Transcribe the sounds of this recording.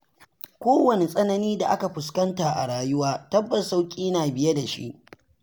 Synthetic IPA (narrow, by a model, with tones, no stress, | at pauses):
kʷoː˦wɐ˨ne˨sʼɐ˦nɐ˦niː˦da˨ʔa˦ka˨ɸʊ˨skɐ˦ntaː˨ʔa̰˨ɽaː˨jʊ˦waː˦tɐ˦bːɐ˨sa˦wkʲʼiː˦naː˨bɪ˦je˦da˨ʃḭ˦ʔ